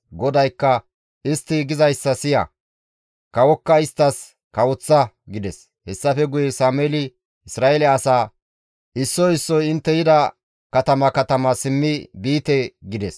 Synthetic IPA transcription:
ɡɔd̪ɐjkːɐ | ɪst̪ːɪɡɪzɐjsːɐsɪjɐ̰ | kɐwɔkːɐɪst̪ːɐs | kɐwʊt͡sːɐ | ɡɪd̪ɛs | hɛsːɐfɛɡʊjɛsaːmɛlɪ | ɪsɾaːɛlɛɐsaː | ʔɪsːɔɪsːɔjɪnt̪ːɛjɪd̪ɐ | kɐt̪ɐmɐkɐt̪ɐmɐsɪmːɪbiːt̪ɛɡɪd̪ɛs

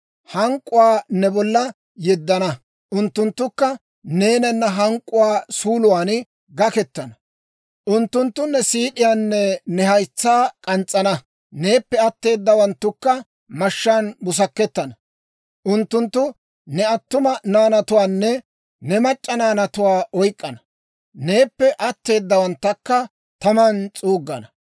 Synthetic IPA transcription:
hɐŋkʼːʊwaːnɛbɔlːɐ | jɛd̪ːɐnɐ | ʔʊnt̪ːʊnt̪ːʊkːɐ | neːnɐnːɐɦɐŋkʼːʊwaːsuːlʊwaːn | ɡɐkɛt̪ːɐnɐ | ʔʊnt̪ːʊnt̪ːʊnːɛsiːᶑɪjaːnːɛnɛhɐjt͡sːaːkʼɐnt͡sʼːɐnɐ | ne̞ːpːɛɐt̪ːe̞ːd̪ːɐwɐnt̪ːʊkːɐ | mɐʃːaːnbʊs̬ɐkːɛt̪ːɐnɐ | ʔʊnt̪ːʊnt̪ːʊ | nɛɐt̪ːʊmɐnaːnɐt̪ʊwaːnːɛ | nɛmɐt͡ʃʼːɐnaːnɐt̪ʊwaːʔɔjkʼːɐnɐ | ne̞ːpːɛʔɐt̪ːe̞ːd̪ːɐwɐnt̪ːɐkːɐ | t̪ɐmɐnt͡sʼuːɡːɐ̰nɐ

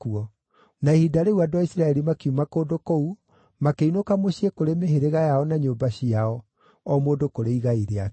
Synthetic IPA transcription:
kuɔ | naehidaɾeuadowaisɾaɛɾimakiumakoːdokou | makeinokamoɕiekoɾemeɦeɾeɣajaɔnaɲoːbaɕiaɔ | ɔmoːdokoɾeiɣaiɾea

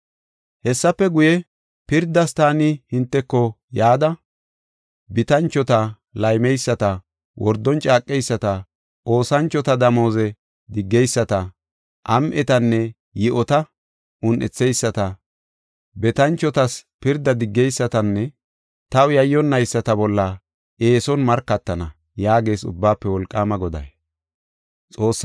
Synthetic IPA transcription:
hɛsːɐpːɛɡʊjɛ | pɪɾd̪ːɐst̪aːnɪhɪnt̪ːɛkːɔ | jaːd̪ɐ | bɪt̪ɐnt͡ʃːɔt̪ɐ | lɐjmɛjsːɐt̪ɐ | wɔɾd̪ːɔnt͡ʃʼaːkʼːɛjsːɐt̪ɐ | ʔo̞ːsɐnt͡ʃːɔt̪ɐd̪ɐmo̞ːzɛ | d̪ɪɡːɛjsːɐt̪ɐ | ʔɐmʔɛt̪ɐnːɛ | jɪʔɔt̪ɐ | ʔʊnʔɛt͡sːɛjsːɐt̪ɐ | bɛt̪ɐnt͡ʃːɔt̪ɐspɪɾd̪ɐd̪ɪɡːɛjsːɐt̪ɐnːɛ | t̪ɐwjɐjːɔnːɐjsːɐt̪ɐbɔlːɐ | eːsɔnmɐɾkːɐt̪ːɐnɐ | jaːɡe̞ːsʊ̰bːaːpːɛwɔlkʼːaːmɐɡɔd̪ɐ̰j | t͡sʼo̞ːsː

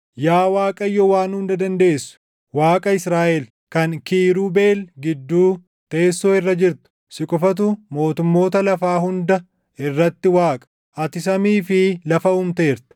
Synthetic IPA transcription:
jaːwaːkʼɐjːɔwaːnhʊnd̪ɐd̪ɐnd̪e̞ːsːʊ̥ | waːkʼɐɪsɾaːʔɛl | kɐŋkiːɾuːbe̞ːlɡɪd̪ːuː | t̪eːsːoːɪrːɐd͡ʒɪɾt̪ʊ̥ | sɪkʼʊfɐt̪̬ʊmo̞ːt̪ʊmːo̞ːt̪ɐlɐfaːɦʊnd̪ɐ | ɪrːɐt̪ːɪwaːkʼɐ̥ | ʔɐt̪ɪsɐmiːfɪlɐfɐʊmt̪e̞ːɾt̪ɐ̥

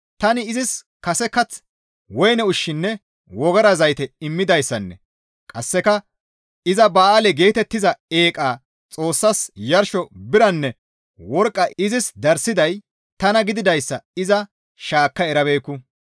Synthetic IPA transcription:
t̪ɐnɪɪzɪs | kɐsɛkɐt͡s | wɔjnɛʊʃːɪnːɛ | wɔɡɐɾɐzɐjt̪ɛɪmːɪd̪ɐjsːɐnːɛ̰ | kʼɐsːɛkɐ | ɪzɐbaːɐlɛɡe̞ːt̪ɛt̪ːɪzɐe̞ːkʼaː | t͡sʼo̞ːsːɐsjɐɾʃɔbɪɾɐnːɛ | wɔɾkʼːɐɪzɪsd̪ɐɾsɪd̪ɐj | t̪ɐnɐɡɪd̪ɪd̪ɐjsːɐɪzɐ | ʃaːkːɐɛɾɐbe̞ːkːʊ

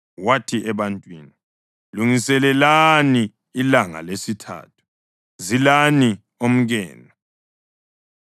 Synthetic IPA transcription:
watʰiʔɛβantʼwiːni | luŋisɛlɛlaniː | laŋa̰lesitʰa̰ːtʰu̥ | zilani | om̩ɣɛ̰ːna

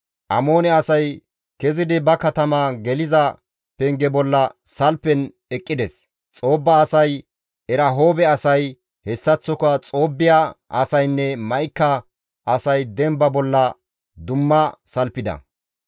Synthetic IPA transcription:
ʔɐ̰mo̞ːnɛɐsɐj | kɛzɪd̪ɪbɐkɐt̪ɐmɐɡɛlɪzɐ | pɛŋɡɛbɔlːɐsɐlpːɛn | ɛkʼːɪd̪ɛs | t͡sʼo̞ːbːɐːsɐj | ɛɾɐɦo̞ːbɛɐsɐj | hɛsːɐt͡sːɔkɐt͡sʼo̞ːbːɪjaʔɐsɐjnːɛmɐjkːɐ | ʔɐsɐjd̪ɛmbɐbɔlːɐ | d̪ʊmːɐsɐlpːɪd̪ɐ̰

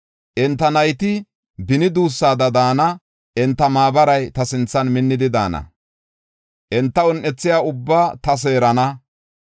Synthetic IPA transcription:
ʔɛnt̪ːɐnɐjt̪ɪ | bɪnɪd̪uːsːaːd̪ɐd̪aːnɐ | ʔɛnt̪ːɐmaːbɐɾɐjt̪ɐsɪnt͡sːɐnmɪnːɪd̪ɪd̪a̰ːnɐ̰ | ʔɛnt̪ːɐɔnʔːɛt͡sːɪjaːʊbːaːt̪ɐs̬e̞ːɾɐnɐ

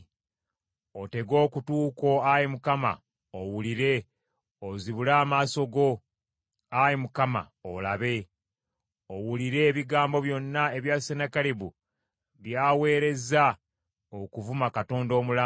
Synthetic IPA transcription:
o̞te̞ɡo̞ːkutuːko̞ajimukama̰ | owuliɾe̞ | oziβulaːmaːso̞ɡo̞ | ajimukama̰olaβe̞ | owuliɾe̞ːβiɡaːmbo̞βjo̞nːae̞βjaːsenakaliβu | βjaːwe̞ːɾe̞za | okuvumakato̞ːndo̞ːmula

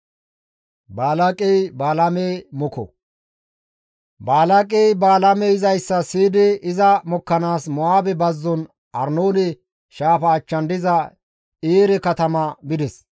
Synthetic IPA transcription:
baːlɐkʼejbaːlɐmeːmɔkɔ̰ | baːlɐkʼejbaːlɐmɛɪzɐjsːɐsiːd̪ɪɪzɐmɔkːɐnaːsmɔaːbɛbɐzːɔn | ʔɐɾnoːnɛ | ʃaːfɐːt͡ʃːɐnd̪ɪzɐ | eːɾɛkɐt̪ɐmɐbɪd̪ɛs

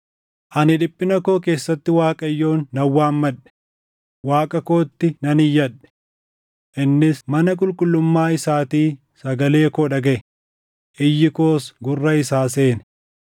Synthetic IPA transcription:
ʔɐnɪᶑɪpʼːɪnɐko̞ːke̞ːsːɐt̪ːɪwaːkʼɐjːo̞ːnːɐwːaːmːɐᶑɛ̥ | waːkʼɐko̞ːt̪ːɪnɐnɪjːɐᶑɛ̥ | ʔɪnːɪsmɐnɐk̬ʼʊlkʼʊlːʊmːaːɪsaːt̪iː | sɐɡɐle̞ːkoːᶑɐɡɐʔɪ | ʔɪjːɪko̞ːsɡʊrːɐɪsaːseːn

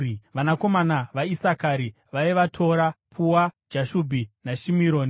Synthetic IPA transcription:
ʋanako̞manaʋaisakaɾi | ʋaiʋatʰo̞ɾapʰuwad͡ʒaʃubʱinaʃimiɾoːni

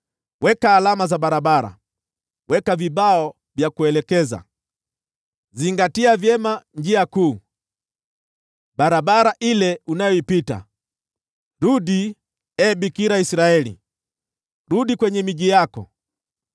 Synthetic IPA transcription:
wʔɛkaːlamazaɓaɾabaɾa̰ | wɛkavibaɔ | vjakuɛlɛkɛza̰ | ziŋɡatiavjɛmaɲd͡ʒiakuː | ɓaɾaɓaɾaʔilɛunajɔipita̰ | ɾuɗi | ɛbikiɾaisɾaɛlḭ | ɾuɗikwɛɲɛmiʄijakɔ̰

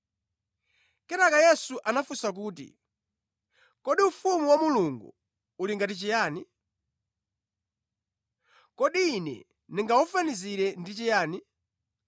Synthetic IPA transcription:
kɛɾakajɛsuʔanafusak̬uːt̬ḭ | kɔɗiufumuwamuluŋɡṵ | uliŋɡatit͡ʃijaːni | kɔɗiːnɛ̰ | niŋɡaufaniziɾɛndit͡ʃijaːni

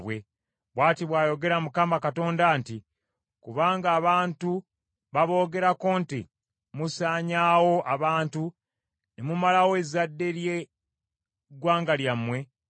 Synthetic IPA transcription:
βwe̞ | βwaːtiβwaːjo̞ɡe̞ɾamukaːmakato̞ːndanti | kuβaːŋɡaːβaːntu | βaβo̞ːɡe̞ɾakoːnti | musaːɲaːwo̞ʔaβaːntu | nemumalawoezadːe̞ɾje | ɡwaːŋɡaljamːwe̞

